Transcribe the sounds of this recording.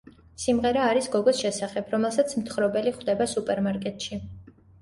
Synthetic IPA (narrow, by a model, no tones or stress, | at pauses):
simʁɛɾaːɾisɡɔɡɔsʃɛsaχɛbʰɾɔmɛlˠsat̪sʰmt̪ʰχɾɔbɛliχwd̪ɛbasupʼɛɾmaɾkʼɛt̪ʼʃi